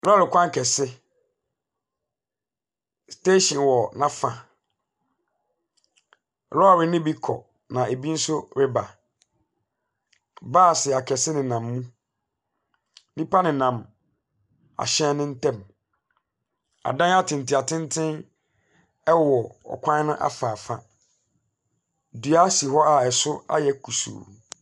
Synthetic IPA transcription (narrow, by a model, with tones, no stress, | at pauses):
ɾɔ˦a˦ɾɪ˨kʰʷã˦ŋ˦kʰɛ˨sɪ˦ | ste˦ɕɪ̃˨nwɔ˨nã˦fã˨ | ɾɔ˦a˨ɾɪ˨nɪ̃˦bi˦kʰɔ̰˨ | nã˨e˨bi˦n̩˦sʊ˦ɾɪ˦ba˨ | baː˦˨sɪ˨a˨kʰɛ˨sɪ˦nɪ̃˨nã˨mːũ˦ | nĩ˦pa˦nɪ̃˨nã˨m | a̰˨ɕɛ̃˦nɪ̃˦n̩˦tʰɛ̃˦m | a̰˨dã˦n˦a˦tʰɪ̃˨n˨ti˨a˨tʰɪ̃˦n˦tʰɪ̃˦n | ɛ˦wɔ˨ɔ̰˨kʷʰã˦nʊ̃˦ʔa̰˦fa˨fa̰˦ | du˨a˦si˨ɦɔ˦a˨ɛ˨sʊ˦a̰˦jɛ˦kʰu˨sṵː˨